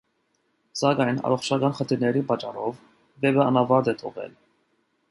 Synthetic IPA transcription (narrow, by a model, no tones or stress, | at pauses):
sɑkɑjnɑ̰ɾɔχt͡ʃʰɑkɑnχənt̪ʰiɾnɛɾipɑt͡ʃɑɾɔv | vɛbɛɑnɑvɑɾd̪ɛt̪ʰɔ̰ʁɛ̰l